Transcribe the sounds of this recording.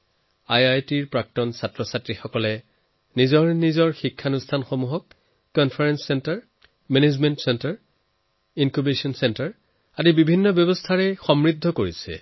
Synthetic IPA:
ajajtiɹpɹak̚tɔnsatɹɔsatɹixɔkɔlɛ | nizɔɹnizɔɹxikʰːanustʰanxomuɦɔk̚ː | ɔnpʰaɹɛnsːɛntaɹ | mɛnezmɛntsɛntaɹ | inkubesɔnsɛntaɹ | adibibʱinːɔbjɔbɔstʰaɹɛxɔmɹid̪ʱːɔkoɹisɛ̰

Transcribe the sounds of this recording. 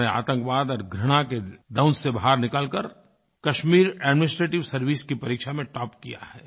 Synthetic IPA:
ea̰ːt̪ə̃ŋkʋaːd̪ɔːɾɡʱɾɐɽ̃aked̪ɐʊ̃nsebɐɦaːɾnɪkaːlkəɾ | kɐʃmiːɾɛːɖmɪnɪsʈɾeːʈɪʋsɐɾʋiːskipɐɾiːkʃamẽʈɔːpkija̰hɛː

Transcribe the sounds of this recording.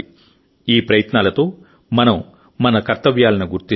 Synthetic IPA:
iːpɾɐjɐt̪naːlɐt̪o̞ː | mɐnɐm | mɐnɐkɐɾt̪ɐʋjaːlɐnuɡuɾt̪i

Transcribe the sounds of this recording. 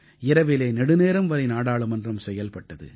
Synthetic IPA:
ɪɾɐʋɪleːnɛɽɯneːɾɐmʋɐɾɐɪnaːɽaːɭɯmɐndrɐmsɛjːɐlpɐʈːɐðɯ̰

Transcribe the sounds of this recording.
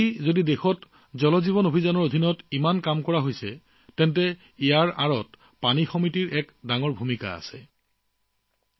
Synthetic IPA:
izodidexɔt | zɔlɔziβɔnobʱizanɔɹodʱinɔtimankamkɔɹaɦojsɛ | tɛntɛ | ijaɹaɹɔt | panixɔmitiɹɛkdaŋɔɹbʱumika̰a̰sɛ

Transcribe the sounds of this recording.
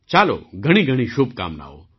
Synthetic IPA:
t͡ʃaːlo̰ɡʱɐɽ̃iɡʱəɽ̃iʃub̚ka̰ːmna̰ːo̰

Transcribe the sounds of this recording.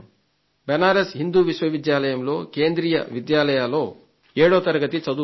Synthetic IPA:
bɛnaːɾesɦind̪uːʋiʃʋɐʋid̪jaːlɐjɐmlo̞ːkeːnd̪ɾiːjɐ̰ʋid̪jaːlɐjaːlo̞ː | eːɽoːt̪ɐɾɐɡɐt̪it͡ʃɐd̪u

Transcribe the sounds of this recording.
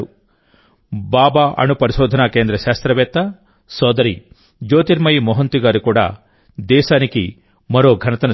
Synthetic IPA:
u | baːbaːʔɐ̰nupɐɾiʃoːd̪ʱɐnaːkeːnd̪ɾɐʃaːst̪ɾɐʋeːt̪ːɐ | sɔːd̪ɐɾi | d͡ʒoːt̪iɾmɐjmɔɦɐnt̪uɡaːɾukuːɽa̰ | d̪ɛːsaːniki | mɐɾoːɡʱɐnɐt̪ɐnɐ

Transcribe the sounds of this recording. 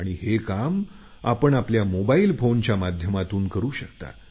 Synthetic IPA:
aɽ̃ihekam | a̰pəɳapljamobailfont͡ɕjamad̪ʱjəmat̪uːnkəɾuːɕəkt̪a̰

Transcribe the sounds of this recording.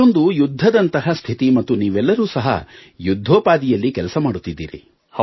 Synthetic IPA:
ond̪ujud̪ʱːɐd̪ɐnt̪ɐɦɐst̪ʰit̪imɐt̪ːuniːʋɛlːɐɾuːsɐɦɐ̰jud̪ʱːoːpaːd̪ijɐlːikɛlɐsɐmaːɽut̪ːid̪ːḭːɾḭ | h

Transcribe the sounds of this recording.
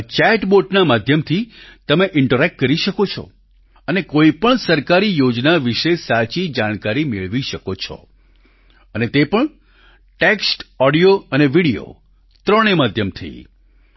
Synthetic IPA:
t͡ʃɛʈboʈnamad̪ʱjəmt̪ʰit̪əmeʔɪɳʈəɾɛk̚ʈkəɾiʃəkot͡ʃʰɔ̰ | ənekoipəɳsəɾkaɾijod͡ʒnaʋiʃesat͡ʃid͡ʒaɽ̃kaɾimeɭʋiʃəkot͡ʃʰɔ̰ | ənet̪epəɳ | ʈeksʈɔɽijoəneʋiɽijo̰ | t̪ɾəɽ̃emad̪ʱjəmt̪ʰə̰ḭ

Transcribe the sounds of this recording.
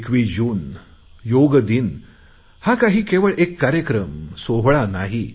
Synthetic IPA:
kʋid͡ʑuːn | joɡd̪in | hakaɦiːkeʋəɭʔekːaɾjəkɾəmsoɦɭanaɦi

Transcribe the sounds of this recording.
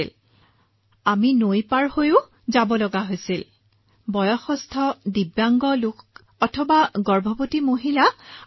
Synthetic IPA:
l | aminojpaɹhojʊ | zabɔlɔɡaɦojsil | bɔjɔxɔstʰɔdibjaŋɡɔluk | ɔtʰɔbaɡɔɹbʱɔpotimoɦila

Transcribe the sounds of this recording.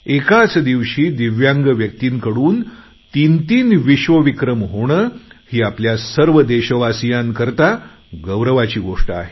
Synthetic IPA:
ekat͡sd̪iʋɕiːd̪iʋjãŋɡəʋjək̚t̪iːnkəɽuːn | t̪int̪iːnʋiɕʋəʋikɾəmɦoɽ̃əːhiːapljasəɾʋəd̪eɕəʋasijaŋkəɾt̪a | ɡəwɾəʋat͡ɕiːɡoʂʈəa̰ɦe

